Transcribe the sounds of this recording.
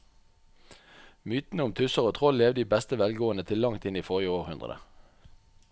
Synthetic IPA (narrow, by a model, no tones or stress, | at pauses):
myːt̪n̩əʊmt̪ʰʉsəʁoːt̪ʰʁɔlleːʋd̪iːbɛst̪əʋɛlɡoːənət̪ʰɪlɑŋt̪ɪniːfoːʁjəoːʁhʉnd̪ʁə̰d̪ə̰